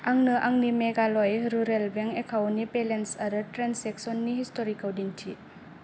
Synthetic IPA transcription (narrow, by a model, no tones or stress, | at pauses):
aŋnɯʔaŋnimeɡalɔjɾuɾelbeŋekʰawnipelensaɾɯtɾenseksɔnːihistoɾikawdiŋtʰi